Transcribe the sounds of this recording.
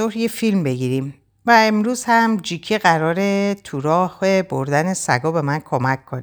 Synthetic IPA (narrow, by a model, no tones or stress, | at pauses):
ohɾjefilmbe̞ɡiːɾim | væemɾuːzhæmd͡ʒicʰeɣæɾɒːɾe̞t̪ʰuɾɒːhebo̞̰ɾd̪æne̞sæ̰ɡɒːbe̞mænkʰo̞mækʰːoni